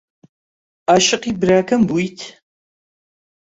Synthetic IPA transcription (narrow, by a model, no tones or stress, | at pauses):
aːʃɪqiːbɾaːkʰɐmbujtʰ